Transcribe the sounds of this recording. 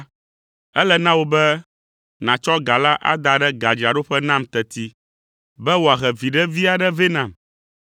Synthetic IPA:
ɛ˦lɛ˨nã˦wo˨bɛ˦ | nã˨t͡ʃɔ˦ɡa˨la˦ʔa̰˦d̪a˨ɖɛ˦ɡa˨d͡ʒa˨ɖo˦ɸɛ˦nã˦mt̪ɛ˨t̪i˦ | bɛ˦wo˨a˨ɣɛ˨vi˨ɖɛ˦vi˦a˨ɖɛ˦ve˦nã˨m

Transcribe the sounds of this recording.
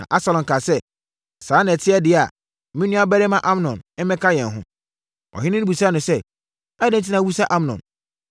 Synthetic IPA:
nã̰˨ʔa˦sa˨lɔ̃˨ŋ˨kʰa˨sɛ˦ | sãː˨˦nã˨tʰɪ˦ɛ˦dɪ˨a˨ | mĩ˦nũ˦a˦bɛ˦ɾɪ˦mã˦ʔa˦mnɔ̃˨n̩˦mɛ̃˦kʰa˦jɛ̃˨n˨ɦʊ̰̃˦ | ɔ̰˨ɦɪ˦nɪ̃˦ni˦bu˨sa˦nʊ̃˨sɛ˦ | a˦dɪ̃˦n̩˦t̬ʰi˦nã˨˦wu˦sa˦ʔa˦m˨nɔ̰̃˨n

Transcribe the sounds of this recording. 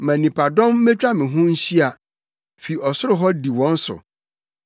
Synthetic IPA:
mã˨nĩ˨pʰa˨dɔ̃˦mː˦ɛ˦t͡ɕᶣa˦mɪ̃˨ɦʊ̃˦n̩˦ɕi˦a˨ | fi˨ɔ˨sʊ˦ɾʊ˦ɦɔ˦di˨wɔ̃˦n̩˦sʊ̰˨

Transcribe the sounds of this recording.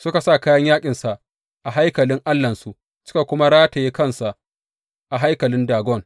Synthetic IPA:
sʊ˦ka˨sa˦˨kaː˦jɐ˦ɲjaː˦kʲʼɪ˨nsa˨ʔ | ʔa˨ɦa˦jkɐ˨lɪ˦ŋʔa˦lːɐ˨nsu˦ʔ | sɪ̥˦ka˨kʷʊ˦ma˦ɽaː˦ta˨jeː˦kɐ˦˨nsa˨ʔ | ʔa˨ɦa˦jkɐ˨lɪ˦ndaː˨ɡʷɔ˦ŋ

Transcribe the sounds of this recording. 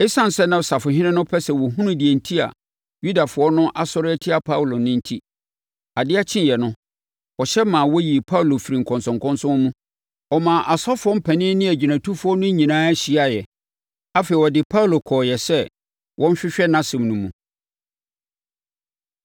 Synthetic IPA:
ɪ˦sã˦n˨sɛ˦nã˨sa˨fʊ˨ɦɪ̃˦nɪ̃˦nʊ̃˦pʰɛ˦sɛ˨wɔ˨ɦũ˦nʊ̃˦di˨ɛ˨n̩˦tʰi˦a̰˨ | ju˦da˨fʊ˨ɔ˦nʊ̃˦ʔa˦sɔ˦ɾɪ˦ɛ˦tʰɪ˦a˨pʰa˦wlo˨nɪ̃˦n̩˦tʰi˦ | a˨dɪ˦a˦t͡ɕʰɪ̃˦njɛ˨nʊ̃˦ | ɔ˨ɕɛ˦mãː˨wɔ˦ji˨pʰa˦u˨lo˨fi˨ɾi˨ŋ̩˨kʰɔ̃˨nsʊ̃˨ŋkʰɔ̃˦nsʊ̃˦mũ˦ | ɔ˨mãː˨ʔa˨sɔ˦fʊ˨˦ɔ˦m̩˦pʰɛ̃˨nɪ̃˦nɪ̃˦æ˨d͡ʑi˨nã˨tʰu˦fʊ˨˦ɔ˦nʊ̃˦ɲĩ˨nãː˦æ˦ɕi˦a˨jɛ˨ | a˦fe˨i˨wɔ˨dɪ˨pʰa˦u˦lo˨kʰɔː˨jɛ˨sɛ˦ | wʔɔ̃˦n˦ɕᶣɪ˦ɕᶣɛ˦nã˦sɪ̃˨mnũ˨mũ˨

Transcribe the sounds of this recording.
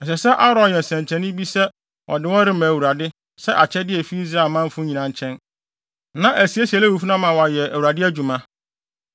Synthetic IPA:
ɛ˨sɛ˨sɛ˦ʔa˦ɾɔ̃˨njɛ˨sɛ̃˨ɲ˨t͡ɕʰɛ̃˨nɪ̃˦bi˦sɛ˦ | ʔɔ̰˨dɪ˨˦wɔ̃˦ɾɪ˦mã˨wu˨ɾa˨dɪ˦ | sɛ˦ʔa˨t͡ɕʰɛ˦dɪ˦ɛ˨fi˦i˦sɾa˨lmã˦ɱ˦fʊ˦ɲĩ˨nã˨ɲ˦t͡ɕʰɛ̃˦n | nã˨ʔæ˨si˨˦æ˦si˨æ˨lɛ˦wu˨fu˦nã˦mã˨wɔ˨a˨jɛ˨æ˨wu˨ɾa˨dɪ˦æ˦d͡ʑu˨mã˦

